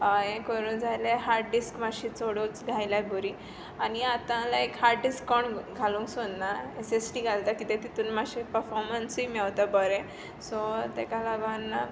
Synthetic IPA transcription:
aɦẽkəɾuːnd͡zʱajleɦaɾɖiskmaɕit͡soɽot͡sɡʱajlajbʱuɾiː | aniat̪ãlaekhaɾɖiskːɔɳɡʱalũːŋksod̪naesesʈiːɡʱalt̪akit̪ẽt̪it̪uːnmaɕipəɾfɔɾmənsimɛʋt̪abəɾẽ | sɔt̪ekalaʋanːa

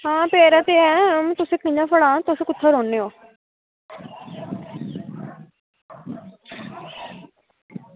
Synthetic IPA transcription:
ɦãːpɛːɾat̪eɛ̃mt̪ʊsẽːkɪ̃ãːfʰəɽãːt̪ʊsẽːkʊt̪ʰːaɾoːnːeːoː

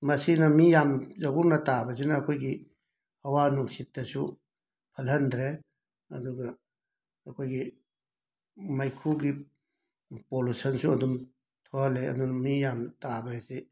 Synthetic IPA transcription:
mɐsinɐmijamzɐɡuɾnɐtabɐs̬inɐːkʰojɡi | hɐwanuŋsit̚ːɐsu | pʰɐlɦɐndɾe | ɐd̪uɡɐː | kʰojɡi | majkʰuɡi | polusɐnsuɐdum | tʰohɐleɐ̰dunɐmijamtabɐesi

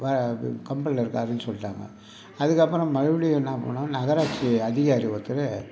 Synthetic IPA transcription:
ʋɐkɐmbɐllːɪɾɯkːaːɾɯnːɯsɔlːɪʈːa̰ːŋɡɐ̰ | ɐðɯkːɐpːɯɾɔ̃mɐɻɪʋɐɽɪjɐnːaːpo̰ːnãːnɐɣɐɾaːt͡ʃːiɐðɪɣaːɾiʋɐt̪ːɯɾɯ

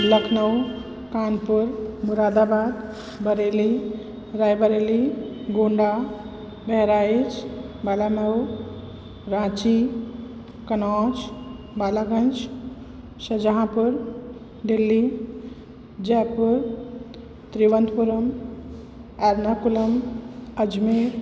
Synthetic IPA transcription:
ləkʰnəw | kaːnpəɾmuɾad̪abaːd̪ | bəɾeli | ɾajbəɾeliɡoɳɖa | bɛɦɾait͡ʃ | balaməw | ɾãt͡ʃi | kənɔːt͡ʃ | balaɡənt͡ʃ | səd͡ʒəɦãpəɾ | ɖelːi | d͡ʒɛpəɾ | t̪ɾiʋənd̪puɾəm | aɾnakuləməd͡ʒmeɾ

